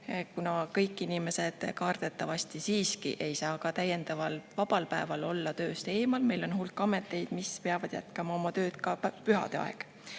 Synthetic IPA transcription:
kunɑkɤ̞jkːˑinime̞se̞d̪̥kɑːrd̪̥e̞t̪ːˑɑvɑsʲt̪isiːskḭʔe̞jsɑːkɑt̪æjːe̞nd̪ɑvɑlvɑb̥ɑlpæevɑlo̞lːɑt̪ø̞ːst̪e̞ːmɑlme̞jlo̞nhulkːˑɑme̞t̪ːˑe̞jd̪̥mispeɑvɑd̪̥jæ̰t̪ˑkɑmɑo̞mɑt̪ø̞ːt̪kɑpyɦɑ̰d̪̥eɑ̰eɡ̥

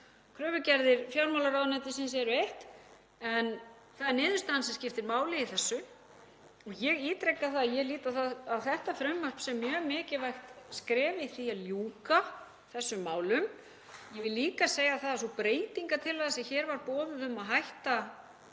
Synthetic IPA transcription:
kʰɾœːvʏcɛɾðɪɾ̥fjawlmawlaɾawðnɛt̪̬ɪsɪns̬ɛɾʏejht̪ | ɛn | θaðɛɾnɪːðʏst̪ansɛmscɪft̪ɪɾmaːwlɪiθɛsːʏ | ɔɣjɛɣit̪ɾɛkːaθaðjɛɣliːt̪aθaðawθɛht̪afɾœmːar̥psɛmːjœːɣmɪːcɪvajxt̪skɾɛːvɪiθialjuːka | θɛsːʏmːaːwlʏm | jɛvɪlːiːkaseːjaθaðsɔpɾeːjt̪iŋkat̪ʰɪlaðasɛçɛːɾvaɾpɔːðʏðʏmːaðɦajht̪a

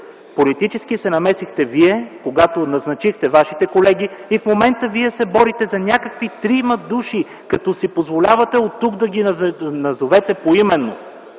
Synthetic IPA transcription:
polit̪it͡ʃɛsk̟isɛnɐmɛsixt̪ɛviɛkoɡat̪onɐznɐt͡ʃixt̪ɛvaʃit̪ɛkolɛɡiifmomɛnt̪əviɛsɛbɔɾit̪ɛzɐnʲakəkvit̪ɾimɐd̪uʃi | kɐt̪ɔsipozvolʲavɐt̪ɛot̪ːukd̪ɐɡinɐzovɛt̪ɛpoimɛnːo̰

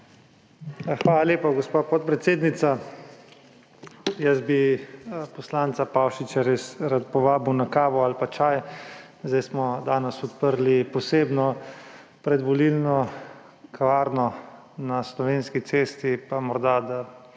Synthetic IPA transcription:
xʋaːlaleːpaɡɔspapɔt̪̚pɾɛt̪seːd̪nit̪sa | jəzbi | pɔslaːnt̪sapawʃit͡ʃaɾesɾat̪pɔʋaːbiwnakaːʋɔalpat͡ʃaːjzd̪ajsmɔd̪aːnɛsɔt̪pəɾlipɔseːbnɔ | pɾɛd̪ʋɔlilnɔ | kʰaʋaːɾnɔ | naslɔʋeːnskit̪seːst̪ipamɔɾd̪ad̪a

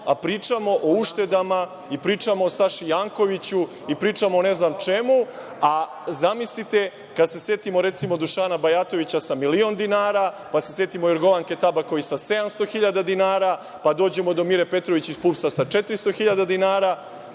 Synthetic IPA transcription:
apɾiːt͡ʂamo̞ʔouʃt̪e̞d̪ama | ipɾiːt͡ʂamo̞saʃijaːŋko̞ʋit͡ɕu | ipɾiːt͡ʂamone̞znamt͡ʃe̞mu | a | zamislit̪e̞ | kad̪se̞se̞t̪imo̞ɾe̞t̪simo̞d̪uʃaːnabajat̪o̞ʋit͡ɕasamilio̞nd̪inaːɾa | pasesje̞t̪imojoɾɡo̞ʋaŋke̞t̪abako̞isase̞d̪amst̪o̞xiʎad̪ad̪inaːɾa | pad̪o̞ːd͡ʑe̞mo̞d̪o̞miɾe̞pe̞t̪ɾoʋit͡ɕispuːpsasat͡ʃe̞t̪ɾist̪o̞xiʎad̪ad̪inaːɾa

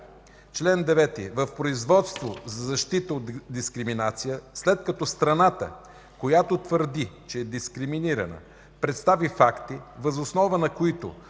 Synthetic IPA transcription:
t͡ʃlɛnd̪ɛvɛt̪ḭvəfpɾoizvɔt̪st̪vozɐzɐʃt̪it̪əod̪d̪iskɾiminat̪sijəslɛt̪̚kɐt̪ɔst̪ɾɐnat̪ə̰ | kojat̪ot̪vəɾd̪it͡ʃɛːd̪iskɾiminiɾɐ̰nə̰ | pɾɛt̪st̪avifakt̪ivɐzosnɔvənɐkoit̪o̰

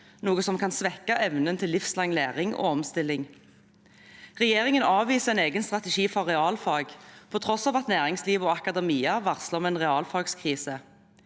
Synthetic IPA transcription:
nuːɡəsɔmkʰɑnsʋɛkːɑʔɛʋnənt̪ʰɪlːɪfslɑŋlæːʁɪŋo̰ːɔmst̪ɪlːɪŋ | ʁɛjeːʁɪŋənɑːʋʋiːsəʁɛɪneːɡənst̪ʁɑt̪əʃiːfɔʁʁɛɑːlfɑlɡpʰɔt̪ʰʁɔsɑːʋɑt̪næːʁɪŋsliːʋoːɑkɑd̪ɛmiːɑʋɑʁsləmɛːnʁɛɑːlfɑɡskʰʁiːsə

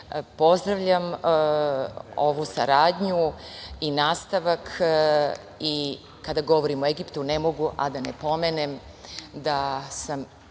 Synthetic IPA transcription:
po̞zd̪ɾaʋʎam | o̰ʋusa̰ɾaːd̪ɲuinaːst̪aʋak | i | kad̪aɡo̞ʋo̞ɾimoeɡipt̪unemo̞ɡuʔa̰d̪anepo̞menem | d̪asam

